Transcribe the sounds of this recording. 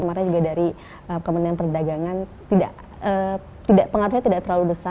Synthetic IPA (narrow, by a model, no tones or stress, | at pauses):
əmaɾɲad͡ʒuɡadaɾi | əkəməndianpərdaɡaŋant̪ida̰ʔ | ə | t̪idaʔpəŋart̪usɲat̪idaʔt̪ərlalubəsa